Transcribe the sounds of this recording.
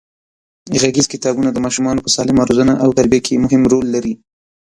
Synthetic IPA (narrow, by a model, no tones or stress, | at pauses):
ɣaɡɪzkɪt̪ɑbunad̪əmɑʃumɑnopəsɑlɪmaɾozənaʔawt̪aɾbijakʰemʊɦɪmɾolːaɾi